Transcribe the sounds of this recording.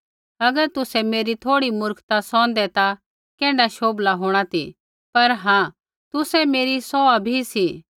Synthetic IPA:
ɐɡəɾt̪ʊsɛmeːɾit̪ʰoːɽimʊɾkʰt̪asɔ̃ːnd̪ɛt̪a | kɛ̃ːɖaʃoːblaɦoːɽ̃at̪ʰḭ | pɐɾɦãː | t̪ʊsɛmeːɾisɔabʱisi

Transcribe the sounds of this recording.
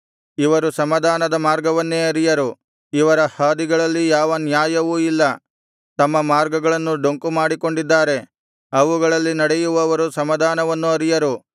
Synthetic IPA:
iʋɐɾusɐmɐd̪ʱaːnɐd̪ɐmaːɾɡɐʋɐnːeɐɾijɐɾu | iʋɐɾɐhaːd̪iɡɐɭɐlːijaːʋɐnjaːjɐʋuilːɐ | t̪ɐmːɐmaːɾɡɐɡɐɭɐnːuɖo̞ŋkumaːɽiko̞ɳɖid̪ːaːɾe̞ | ɐʋuɡɐɭɐlːinɐɽejuʋɐʋɐɾusɐmɐd̪ʱaːnɐʋɐnːuɐɾijɐɾu

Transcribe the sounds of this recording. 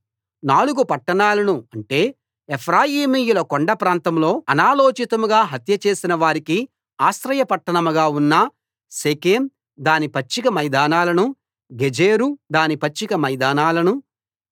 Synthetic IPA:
naːɭuɡupɐʈːɐɳaːlɐnuɐɳʈe̞ː | epʰɾaːjiːmiːjulɐkoɳɖɐpɾaːnt̪ɐmlo̞ːɐnaːlo̞ːt͡ʃit̪ɐmuɡaːɦɐt̪jɐt͡ʃe̞ːsinɐʋaːɾiki | aːsɾɐjɐpɐʈːɐɳɐmuɡaːunːɐ | seːkeːm | d̪aːnipɐt͡ʃːikɐmɐjd̪aːnaːlɐnu | ɡed͡ʒeːɾud̪aːnipɐt͡ʃːikɐmɐjd̪aːnaːlɐnu

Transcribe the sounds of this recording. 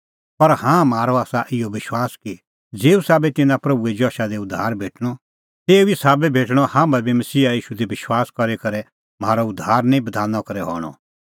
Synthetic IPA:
pɐɾhãːmaːɾɔaːsaʔɪjɔʋɪʃwaːski | d͡zeːusaːbɛt̪ɪ̃nãpɾɐbued͡ʒɔːʃad̪eʊd̪ʱːaːɾbʱeːʈʰɽ̃ɔ | t̪eːuɪsaːbɛbʱeːʈɽ̃ɔhãːmbɛbʱimɐsiːaiːʃud̪ibɪʃwaːskɐɾekɐɾɛ | maːɾɔʊd̪ʱːaːɾnɛ̃ĩbɐd̪ʱaːnːɔkɐɾɛɦɔ̰ːɽ̃ɔ̰

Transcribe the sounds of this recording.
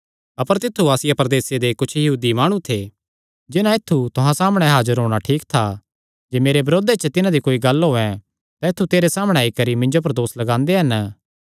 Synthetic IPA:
ɐpəɾt̪ɪt̪ʰːuaːsɪjapɾɐd̪eːsed̪ekʊt͡ʃʰjɐɦuːd̪imaːɽ̃ũt̪ʰe | d͡ʒɪnãɪt̪ʰːut̪ʊɦãsaːməɽ̃ɛɦaːd͡ʒəɾɦoːɽ̃aʈʰiːkt̪ʰa | d͡ʒeːmeːɾebɐɾoːd̪et͡ʃət̪ɪnãd̪ikoːiɡɐlɦoːɛ̃ | t̪ãɪt̪ʰːut̪eːɾesaːməɽ̃eaːikɐɾimɪ̃ɲd͡ʒop̬ɐɾd̪oːslɐɡãːnd̪eɦɐn

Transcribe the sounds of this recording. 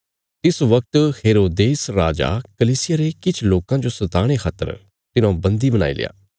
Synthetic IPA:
t̪ɪsʋɐk̚t̪heːɾoːd̪eːsɾaːd͡ʒa̰kəliːsɪjaːɾekɪt͡ʃʰloːkãd͡ʒosət̪aːɽ̃ekʰaːt̪ə̰ɾ | t̪ɪnãbɐ̃nd̪ibəna̰ːḭlɪ̰ja̰ː

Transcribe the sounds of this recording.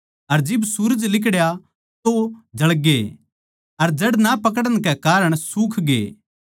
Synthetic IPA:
ɐɾd͡ʒɪbsuɾəd͡ʒlɪkɽja | t̪od͡ʒɐɭɡe | ɐɾd͡ʒɐɽnapɐk̬əɽəɽ̃kɛkaːɾəɽ̃suːkʰɡḛː

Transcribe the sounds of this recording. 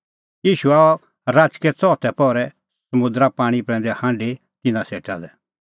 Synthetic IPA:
jiːʃuaːɔ | ɾaːt͡ʃkɛt͡sɔːt̪ʰɛpɔːɾɛ | sɐmʊ̃nd̪ɾapãːɽ̃ipɾɛ̃ːnd̪ɛhãːɳɖe | t̪ɪnãseːʈad̪ɛ

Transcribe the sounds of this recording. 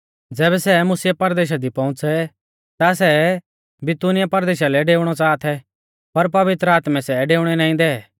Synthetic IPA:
d͡zɛːβɛsɛmʊsɪjapɐɾd̪eːʃ̬ad̪ipɐ̃ʊ̃t͡sɛ | t̪as̬ɛ | bɪt̪unɪjapɐɾd̪eːʃalɛɖeːʊɽ̃ɔt͡saːt̪ʰɛ | pɐɾp̬ɐʋɪt̪ɾəaːt̪mɛ̃sɛɖeːʊɽ̃ɛnãːĩd̪ɛ

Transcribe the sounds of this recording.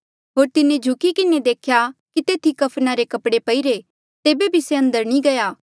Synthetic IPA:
ɦoːɾt̪ɪned͡ʒʱʊkikɪned̪eːkʰjakit̪eːt̪ʰikɐpʰnaɾekɐpɽepɐiɾe | t̪eːbebʱiseɐ̃nd̪əɾnĩɡɐjaː

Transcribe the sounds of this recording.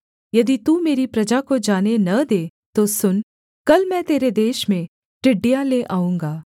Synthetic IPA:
jɐd̪it̪umeːɾipɾɐd͡ʒakod͡ʒaːnenɐd̪eː | t̪osʊn | kɐlmɛ̃t̪eːɾed̪eːʃmẽ | ʈɪɖijãleʔaːũːŋɡaː

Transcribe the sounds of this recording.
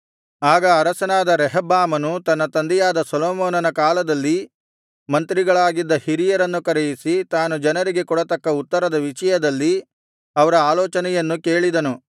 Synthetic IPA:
aːɡɐːɾɐsɐnaːd̪ɐɾɛɦɐbːaːmɐnut̪ɐnːɐt̪ɐnd̪ɛjaːd̪ɐsɐlɔːmɔːnɐnɐkaːlɐd̪ɐlːi | mɐnt̪ɾiɡɐɭaːɡid̪ːɐhiɾijɐɾɐnːukɐɾɛjisit̪aːnud͡ʒɐnɐɾiɡe̞kɔɽɐt̪ɐkːɐut̪ːɐɾɐd̪ɐʋiʂɐjɐd̪ɐlːi | ɐʋɐɾɐaːlɔːt͡ʃɐnɛjɐnːuke̞ːɭid̪ɐnu

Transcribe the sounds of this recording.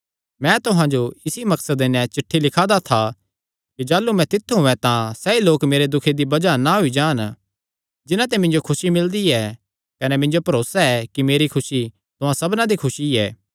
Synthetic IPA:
mɛ̃ːt̪ʊɦãd͡ʒoɪsimɐksəd̪enɛ̃t͡ʃɪʈʰːilɪkʰaːd̪at̪ʰa | kid͡ʒaːlumɛ̃t̪ɪt̪ʰːɦʊɛ̃t̪ãsɛiloːkmeːɾed̪ʊkʰed̪ibɐd͡ʒanaɦʊid͡ʒaːn | d͡ʒɪnãt̪ɛmɪ̃nd͡ʒokʰʊsimɪld̪iɛː | kɐnɛmɪ̃nd͡ʒopɐɾoːsaɛkimeːɾikʰʊsi | t̪ʊɦãsɐbnãd̪ikʰʊsiɛ̰ː

